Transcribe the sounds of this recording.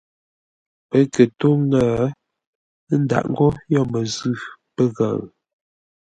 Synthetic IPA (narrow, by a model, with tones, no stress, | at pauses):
pə˦kə˨to˦ŋŋə˨˦ | n̩˦da̰˨ʔŋ̩˦ɡɔ˦jɔ˦˨mə˨zʉ˦˨pə˦ɣa̰˨ŋ